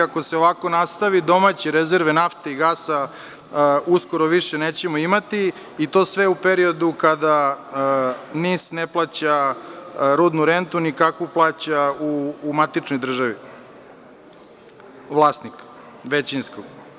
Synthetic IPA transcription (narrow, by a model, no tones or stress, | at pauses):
ako̞seo̞ʋako̞nast̪aʋid̪o̞mat͡ɕeɾezeɾʋenaft̪eiɡaːsa | uskoɾoʋiʃeneːt͡ɕemoimat̪iː | t̪o̞ːsʋeupeɾio̞d̪ukad̪a | niːsneplˠaːt͡ɕa | ɾuːd̪nuɾent̪unikakʋuplˠaːt͡ɕauːmat̪it͡ʃnojd̪r̩ʒaʋi | ʋlˠaːsnik | ʋet͡ɕinskoɡ